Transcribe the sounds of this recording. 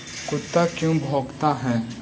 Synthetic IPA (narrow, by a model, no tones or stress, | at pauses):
kʊt̪ːakjõbʱoːɡt̪aɦɛ̃ː